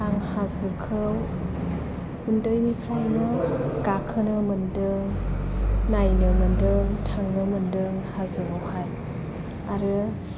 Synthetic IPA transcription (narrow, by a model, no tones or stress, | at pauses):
aŋhazɯkʰɯw | hundojnikʰɾajnɯɡ̥akʰɯnɯmɯndɯŋ | najnɯmɯndɯŋtʰaŋnɯmɯndɯŋhazɯɾɯwhaj | aɾɯ